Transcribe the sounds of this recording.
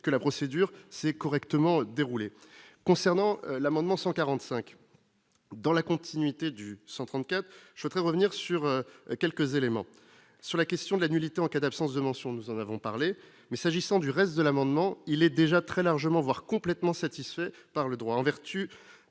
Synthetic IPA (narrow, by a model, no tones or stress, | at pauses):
kəlapχɔsed̪yʁsɛkɔʁɛkt̪əmɑ̃d̪eʁulekɔ̃sɛʁnɑ̃lamɑ̃d̪mɑ̃sɑ̃kaʁɑ̃t̪sɛ̃k | d̪ɑ̃lakɔ̃t̪ʰinɥit̪ed̪ysɑ̃t̪χɑ̃t̪̚kʲat̪χʒəswɛt̪ʁɛʁəvniʁsyʁøkʲɛlkəzelemɑ̃ | syʁlakʲɛst̪jɔ̃d̪əlanylit̪eɑ̃kad̪apsɑ̃s̬d̪əmɑ̃sjɔ̃nuzɑ̃navɔ̃paʁle | mɛsaʒisɑ̃d̪yʁɛst̪̚d̪əlamɑ̃d̪mɑ̃ilɛd̪eʒat̪χɛlaʁʒəmɑ̃vwaʁkɔ̃plɛt̪mɑ̃sat̪isfɛ | paʁləd̪ʁwaɑ̃vɛʁt̪y